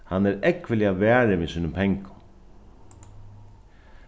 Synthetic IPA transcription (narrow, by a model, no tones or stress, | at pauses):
hanːɛɾɛkʋɪliaʋɛːɾɪʋisiːnəmp̪ʰɛŋkʊ̥